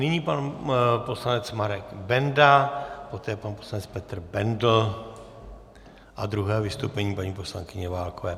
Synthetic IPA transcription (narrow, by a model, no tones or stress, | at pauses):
nɪɲipanpo̞slanɛt͡smaɾɛɡbɛndapo̞t̪ɛːjɛpanposlanɛt͡spɛt̪rbɛndl̩ | ʔad̪ɾuɦɛːvɪst̪owpɛɲiːpaɲiːpo̞sla̰ŋkɪɲɛvaːlkovɛː